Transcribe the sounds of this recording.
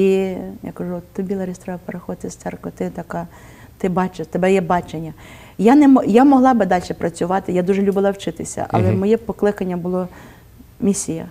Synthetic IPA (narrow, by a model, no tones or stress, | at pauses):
ija̰kɐʒut̪t̪ʊbʲilˠɐɾʲist̪ɾɔɐwpeɾexɔd̪ɪt̪ɪst̪sɛrkʋɐt̪ɪt̪ɐkɑ | t̪ɪbɑt͡ʃet̪ebɛjɛbɑt͡ʃenʲːɐ | janɛmɔjamɔɦlˠɑbɪd̪ɑlʲʃɛpɾɐt͡sʲʊʋɑt̪ɪjad̪uʒɛlʲubɪlˠɐwt͡ʃɪt̪ɪsʲɐ̰ʔɐ̰lˠɛmɔjɛpɔklˠɪkɐnʲːɐbʊlˠɔ | mʲisʲijɐ̰